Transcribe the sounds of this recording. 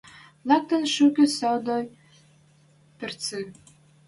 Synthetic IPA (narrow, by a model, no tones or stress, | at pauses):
lˠɑk̚t̪ə̆nʃukʲĕsɑd̪oj | pɘ̆rt͡sɨ